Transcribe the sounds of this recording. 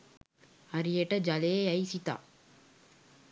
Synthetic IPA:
ɐɾijeʈɐd͡ʒɐleɐjsit̪a̰

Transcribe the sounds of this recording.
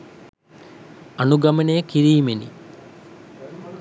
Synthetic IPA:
ɐnuɡɐmənejəkiɾiːmenḭ

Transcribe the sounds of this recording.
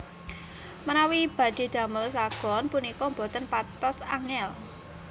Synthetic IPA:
mənawib̥ä̤d̪̥e̤d̪̥a̤məlsaɡ̥ɔ̤npunikɔmbɔ̤t̪ənpat̪ɔsaŋɛl

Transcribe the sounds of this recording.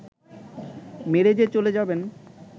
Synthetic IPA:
meɾed͡ʑet͡ɕoled͡ʑaben

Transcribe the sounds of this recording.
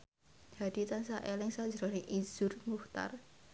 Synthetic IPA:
d̥a̤d̥i̤t̪ansaʔelɪŋsḁd͡ʒɾɔnɪŋʔiz̥ʊrmuht̪a̰r

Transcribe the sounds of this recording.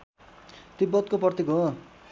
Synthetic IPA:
t̪ibːʌt̪kopʌrt̪iɡo

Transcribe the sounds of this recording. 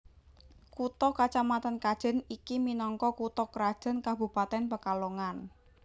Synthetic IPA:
kut̪ɔkat͡ʃamat̪ankad̥ʒ̥ə̤nikiminɔŋkɔkut̪ɔkɾad̥ʒ̥ə̤nkabṳpat̪ɛnpəkaloŋan

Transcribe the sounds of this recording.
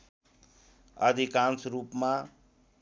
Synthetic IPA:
ə̰d̪ʱikansɾupma

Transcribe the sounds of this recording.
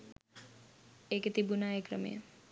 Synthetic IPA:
eket̪ibunaekɾəmḭjḛ

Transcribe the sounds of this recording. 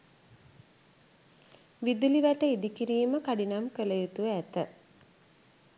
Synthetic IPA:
ʋid̪uliʋæʈəid̪ikiɾiːməkaɖinamkələjut̪uʋəæt̪ə

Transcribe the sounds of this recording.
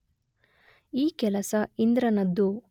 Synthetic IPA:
iːkɛlɐsɐind̪ɾɐnɐd̪ːu

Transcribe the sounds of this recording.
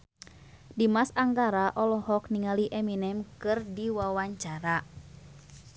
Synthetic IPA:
dimasaŋɡaɾaʔɔlɔhɔkniŋaliʔɛminɛmkɨrdiwawaɲt͡ʃaɾa

